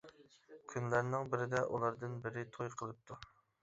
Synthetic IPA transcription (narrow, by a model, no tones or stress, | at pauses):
kʲʰynlæɾnɪŋbɪɾɪd̪ɛʔulˠɑɾd̪ɨnbɪɾɪt̪ʰojqʰəlˠɨp̚t̪ʰu